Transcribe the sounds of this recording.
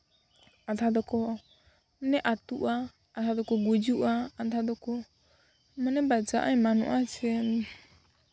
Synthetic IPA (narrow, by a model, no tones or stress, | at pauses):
ad̪ʰad̪ɔkɔ | mnɛʔat̪uʔaː | t̪ʰad̪ɔkɔɡud͡ʒuʔaːd̪ʰad̪ɔkɔ | manɛbad͡ʒa̰ʔajmanṵʔat͡ʃɛn